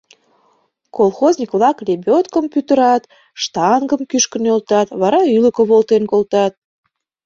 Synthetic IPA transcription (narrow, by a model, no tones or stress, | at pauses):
kolˠxozʲnʲikβlɑklebʲot̪kəmpyt̪əɾɑt̪ | ʃt̪ɑŋɡəmkyʃkə̆nølt̪ɑt̪βɑɾɑyləkə̆βolt̪enkolt̪ɑt̪̚